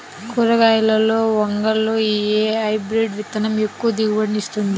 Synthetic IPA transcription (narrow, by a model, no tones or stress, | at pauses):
kuɾɐɡaːjɐlɐlo̞ːʋɐŋɡɐlːoːieːɐjbɾeɖʋit̪ːɐnɐmekːuʋɐd̪iɡɐʋɐɳːist̪und̪i